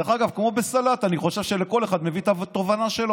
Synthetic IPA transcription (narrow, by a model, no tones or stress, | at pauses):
aχaɡavkmo̞be̞salat̪aniχo̞ʃe̞vʃeleko̞leχad̪mevit̪avt̪o̞vanaʃe̞lo